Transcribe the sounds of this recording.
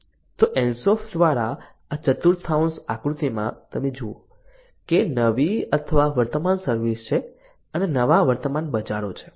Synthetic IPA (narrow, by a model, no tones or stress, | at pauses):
t̪oʔɛnsɔfd̪ʋaɾa | at͡ʃət̪uɾt̪ʰaunsakɾut̪imã̰t̪əmed͡ʒuo | kenəʋiət̪ʰəʋaʋəɾt̪əmansəɾʋist͡ʃʰe | ənenəʋaʋəɾt̪əmanbəd͡ʒaɽot͡ʃʰe̥